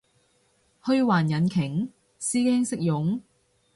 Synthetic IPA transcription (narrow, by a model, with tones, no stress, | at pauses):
hɵ˧ɥwaː˨˩njɐ˨˦nkʰɪ˨˩ŋ | siː˥kɛː˥ŋsɪ˥k̚jʊ˨˥ŋ